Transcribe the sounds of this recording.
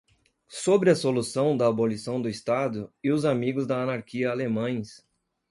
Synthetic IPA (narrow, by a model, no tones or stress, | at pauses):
sobɾɪɐsolusɐ̃w̃d̪ɐːbolisɐ̃w̃d̪ʊist̪ad̪ʊɪʊzamiɡʊzd̪ɐɐnaɾkiɐalemɐ̃j̃s